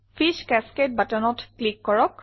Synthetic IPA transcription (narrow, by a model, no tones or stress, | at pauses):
fiʃkɛsket̚batɔnɔtklikːɔɹɔk